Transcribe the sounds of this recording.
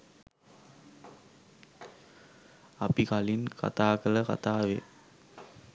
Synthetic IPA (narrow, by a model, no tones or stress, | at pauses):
apikalinka̰t̪aːkələka̰t̪aːʋḛ